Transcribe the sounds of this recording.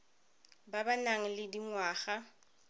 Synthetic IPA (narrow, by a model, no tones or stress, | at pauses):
babanaŋ̩lɪdiŋwaːχa